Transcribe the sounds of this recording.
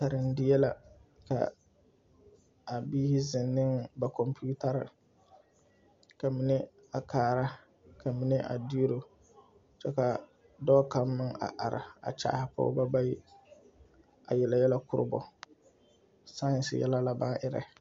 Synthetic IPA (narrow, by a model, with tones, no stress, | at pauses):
ta˨ɾɪ˨n̩˦dɪ˦jɛ˦la˦ | ka̰˨ | a˨biː˦hɪ˦zɪ˨nːɪ˦ŋba˨kɔ˨mpi˦u˦ta˦ɾɪ̰˨ | ka˨mi˦nɛ˦ | a˨kʰaː˦˨ɾa˦ | kʰa˨mi˦nɛ˦ʔa̰˨di˦ɾo˦ | t͡ʃɛ˦ka˨ | dɔː˦ka˦mːɪ˦ŋa̰˨ʔa˨ɾɪ˨a̰˨t͡ʃa̰ː˦˨˦hɪ˨pʊ̰˦ba˦ba˦ji˦ | a˨jɛ˨la˨jɛ˦la˦kʊ˦ɾɨ̰˦bɔ̰˨ | sa˦ɪ˨nsɪ̰˨jɛ˦la˦la˦ba˦n˦ʔɪ˦ɾɛ̰˦